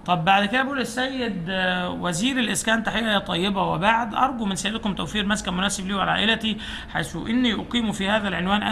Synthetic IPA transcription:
t̪ˤɑbːaʕd̪ked̪æbʔuːlɪsːæjːed̪wæziːɾelʔɪskæːnt̪ːaħejːæjt̪ˤɑjːebɑwebaʕd̪ʔɑ̰ɾˤɡumɪnsæjed̪komt̪æwfiːɾmæskæmʊnæːsebliːwalʕa̰ʔelæt̪i | ħajsuʔɪnːiʔoqiːmufihæːðælʕenwæːnʔæ

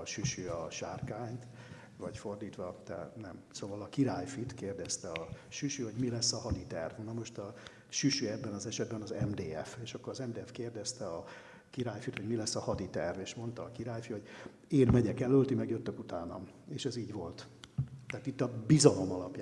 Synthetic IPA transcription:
ʃyʃyɒʃa̰ːrkaːɲt̪ | vɒɟfo̞rd̪iːt̪ʋɒt̪ɛ̰nɛmsoːvɒlɒkiɾaːjfit̪keːrd̪ɛst̪ɛɒʃyʃyho̞ɟmilɛsːɒhɒd̪it̪ɛ̰rvnɒmo̞ʃt̪ɒ | ʃyʃyɛd̪bɛnɒzɛʃɛd̪bɛnɒzɛmd̪eːɛfeːʃɒkːoɾɒzɛmd̪eːɛfkeːrd̪ɛst̪ɛɒ | kiɾaːjfit̪ho̞ɟmilɛsːɒhɒd̪it̪ɛrveːʃmo̞nt̪ɒːkiɾaːjfiho̞ɟ | eːnmɛɟɛkɛlølt̪imɛɡjøt̪ːøkut̪aːnɒmeːʃɛziːɟvo̞lt̪ːɛːt̪it̪ːɒbizɒlo̞mɒlɒpja

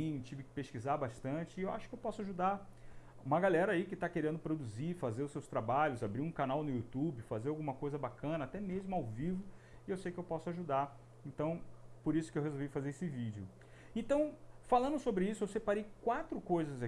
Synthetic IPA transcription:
ĩɲʊt͡ʃivɪkɪ̥peʃskizaɾbaʃt̪ɐ̃t͡ʃɪewa̰ʃʊ̥kɪewpɔsʊaʒud̪aɾ | ũmɐɡalɛɾɐaikɪt̪akeɾẽnd̪ʊpɾod̪uziɾfazeɾʊsewst̪ɾabaʎʊzabɾiɾũkanawnʊjut̪ubɪfazeɾawɡũmɐkojzɐbakɐ̃nɐat̪ɛmezmʊawvivʊ | ɪewsejkɪewpɔsʊaʒud̪aɾ | ẽnt̪ɐ̃w̃poɾisʊ̥kɪewhezowvifazeɾesɪvid͡ʒɪʊ | ẽnt̪ɐ̃w̃falɐ̃nd̪ʊsobɾɪisʊewsepaɾejkwat̪ɾʊkojzɐza

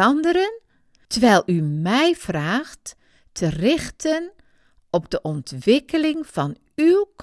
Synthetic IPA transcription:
ɑndəɾən | təʋɛjlˠymɛjv̥raːχt | tʰərɪχtən | ʔɔbdəʔɔntʋɪkəlɪŋv̥ɑn | ywk

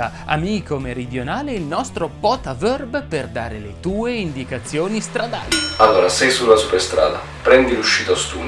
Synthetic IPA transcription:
a | a̰miːkomeɾid̪jonaːleilnɔst̪ɾopɔt̪avɛrbperd̪aːɾelet̪uːeind̪ikat̪sːjoːnist̪ɾad̪aːlialːoːɾasɛjsulasupest̪ɾa̰ːd̪a̰ | pɾɛnd̪iluʃːiːt̪aost̪uː

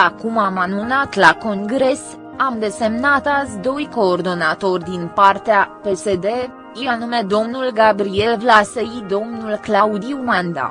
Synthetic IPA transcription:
akumamanunat̪lako̞ŋɡɾe̞s | amd̪e̞se̞mnat̪asʲd̪o̞jko̞ːrd̪o̞nat̪o̞rʲd̪inpart̪eape̞se̞d̪e̞ | janume̞d̪o̞mnulɡabɾie̞lvlaseid̪o̞mnulklaud̪iumand̪a̰

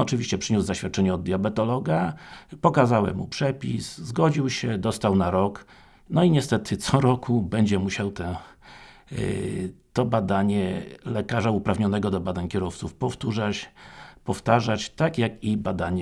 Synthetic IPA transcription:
ɔt͡ʂɘvʲiɕt͡ɕɛpʂɘɲuzzaɕfʲjat̪̚t͡ʂɛɲɛɔd̪̚d̪jɔbɛt̪ɔlɔɡapɔkazawɛ̰mːṵpʂɛpʲiszɡɔd͡ʑiwɕɛd̪ɔst̪awnaɾɔk | nɔiɲɛst̪ɛt̪ɘt̪sɔɾɔkʰubɛɲd͡ʑɛmuɕawt̪ɛ̃ | t̪ɔbad̪aɲɛlɛkaʐaupɾavɲɔnɛɡɔd̪ɔbad̪aɲkʲɛɾɔft̪sufpɔft̪uʐat͡ɕpɔft̪aʐat͡ɕt̪akjakibad̪aɲɛ

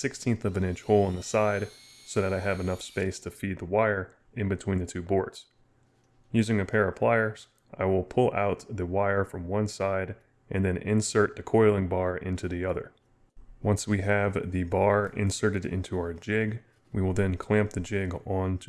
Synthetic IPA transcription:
sɪkstʰĩnθʌvɨ̃ñɪ̃nt͡ʃhoʊlˠə̃nðəsaɪd | soʊðɨɾaɪɨvɨnʌfspeɪstʰɨfid̪̚ðəwaɪə˞ | ɨ̃nbɨtʰw̥ĩnðɨtʰʉbɔɹdz̥ | jʉzɪ̃ŋɨpʰɛɹɨpʰl̥aɪə˞z | ʔa̰ɪwɪlˠpʰʊlˠa̰ʊt̪̚ðɨwaɪə˞fɹʌ̃mwʌ̃nsaɪɾ | ʔɨ̃nðɨ̃nʔɪ̰̃nsɜ˞t̪̚ðɨkʰɔɪlˠɪ̃ŋbɑɹɪ̰̃ntʰʉðiʌðə̰˞ | wʌ̃nswiɨvðɨbɑɹɪ̰̃nsɜ˞ɾɨɾɪ̰̃ntʰʉaə˞d͡ʒɪɡ | wiwəlˠðɨ̃nkʰl̥æ̃mp̚ðɨd͡ʒɪɡ̃ntʰ

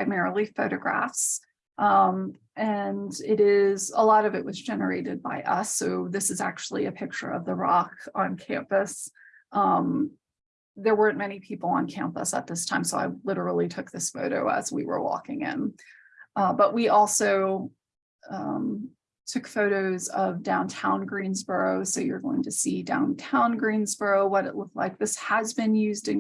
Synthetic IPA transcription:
aɪmɛɹl̩ˠifoʊɾɨɡɹæ̰fs | ʔʌ̃m | ʔɨ̃nɪɾɪzəlɔɾʌvɨʔ̚wʌzd͡ʒɛnə˞eɪɾɨd̚baɪʔʌsoʊðɪsɨzæ̰k̚t͡ʃul̩ˠiɨpʰɪk̚t͡ʃə̰˞ʌvðəɹɑkə̃n̩kʰæ̰̃mpɨs | ʔʌ̃m | ðə˞wɜ̃˞nmɛñipʰipl̩ˠə̰̃nkʰæ̰̃mpə̰sə̰t̪̚ðɪstʰãɪ̃msoʊa̰ɪlɪɾə˞l̩ˠitʰʊk̚ðɪsfoʊɾoʊə̰zwḭwə̰˞wɔ̰kɪ̃ŋɪ̰̃n | ʌbʌʔ̚wiʔɔlˠsoʊ | ʌ̃m | tʰʊkfoʊɾoʊzʌvdãʊ̃ntʰãʊ̃nɡɹĩnzbɜ˞oʊsoʊjə˞ɡoʊɪ̃ŋtʰɨsidã̰ʊ̃ntʰãʊ̃nɡɹĩnzb̥ɜ˞oʊwʌɾɨ̰ʔˡlʊk̚tˡlaɪk̚ðɪshəzbɨ̃njʉzdɨ̃n

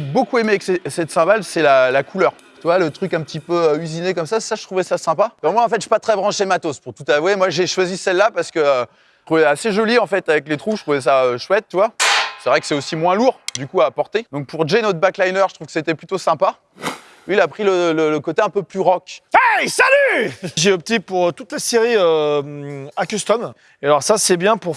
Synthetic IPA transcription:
bokuemeaɛksɛsɛt̪sɛ̃balsɛlalakʰulœʁ | t̪yvwalət̪χykɛ̃pət̪ipøøyzinekɔmsassaʒət̪χuvɛsasɛ̃pakɑ̃mwaɑ̃fɛt̪ʒy̥pat̪χɛbʁɑ̃ʃemat̪ospuʁt̪ut̪avwemwaʒeʃwazisɛlːapaʁsə̥kəø | t̪χuvɛaseʒɔliɑ̃fɛt̪avɛklet̪χuʃət̪χuvɛs̬aøʃwɛt̪̚ːyvwasɛvʁɛkə̥sɛosimwɛ̃luʁd̪ykuaːpɔʁt̪ed̪ɔ̃k̚puʁʒenɔt̪χbaklajnœʁʒət̪χuvkə̥set̪ɛplyt̪osɛ̃pa | lɥiːlapχilələləkot̪eɛ̃pøplyʁɔkʲɛjsalyʒeɔp̚t̪ipuʁt̪ut̪laseʁiømakyst̪ɔm | ealɔʁsasɛbjɛ̃puʁ

